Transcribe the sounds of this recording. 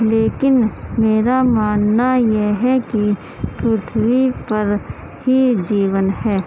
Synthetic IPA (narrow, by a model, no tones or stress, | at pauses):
leːkɪnmeːɾamaːnːajeɦɛki | pɾuːʈ̪ʰwipɐɾ | hid͡ʒiːwənɦɛː